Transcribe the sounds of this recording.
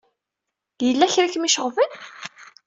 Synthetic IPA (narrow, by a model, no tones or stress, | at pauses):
jəlːæçɾiçmiʃəʁvən